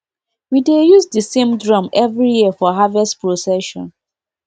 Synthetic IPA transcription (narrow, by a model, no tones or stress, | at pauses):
widejuzdəsẽmdɹɔ̃mɛvɹijiəfɔɦavɛstpɹosɛʃɔ̰̃n